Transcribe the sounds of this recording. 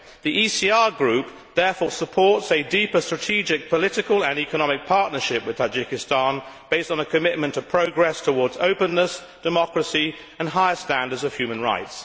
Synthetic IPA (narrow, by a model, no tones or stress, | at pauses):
ðiʔisiɑɹɡɹʉp̚ | ðɛɹfɔːsəpʰɔɹtsɨdipə˞stɹ̥ətʰid͡ʒɪk̚pʰəlɪɾɨkəlˠə̃nikəñɑmɪk̚pʰɑɹʔⁿnə˞ʃɪp̚wɨð̥tʰad͡ʒɪkɪstɑ̃nb̥eɪstn̩əkʰəmɪʔ̚mə̃ntʰəpʰɹ̥əʊɡɹɛstʰəwɔɹdzoʊpə̃nːəs | d̥ɨmɑkɹəsi | ə̃nɦaɪəstæ̃ndə˞dzəv̥hjʉmə̃nɹa̰ɪts